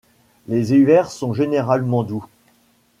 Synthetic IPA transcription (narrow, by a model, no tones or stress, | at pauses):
lezeyvɛʁsɔ̃ʒeneʁalmɑ̃d̪u